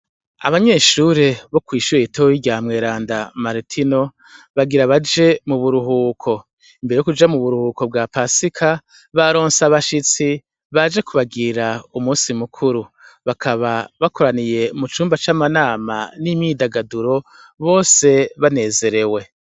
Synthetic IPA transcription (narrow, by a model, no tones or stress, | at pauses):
a̰βaɲe̞ːʃuːɾeβo̞kwiːʃuɾeitoɾiɟaːmŋe̞ːɾaːndamaɾitʰino̞ | βaɡiɾaβad͡ʒe̞muβuɾuɦuːkʰo̞ | imbe̞ejokud͡ʒamuβuɾuhuːko̞b̚ɡapasikʰa | βaɾo̞ːnsaβaʃit͡si | βad͡ʒekuβaɡiɾaumuːnsimukʰuɾuβakʰaβaβako̞ɾanije̞mut͡ʃuːmbat͡ʃamanaːma̰nimidaɡaduɾo̞ | βo̞ːse̞βane̞ːze̞ɾe̞we̞